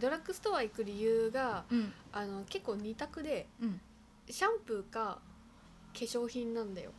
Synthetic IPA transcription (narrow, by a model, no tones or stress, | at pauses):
d̪o̞ɾakːɯ̟sɨ̥t̪o̞βaikɯ̟ɾʲijɯ̟ːɡaː | no̞ke̞kːoːɲ̟it̪akɯ̟d̪e̞ | ɕãmpɯ̟ka | ke̞ɕo̞ːçĩnːãnd̪ajo̞̰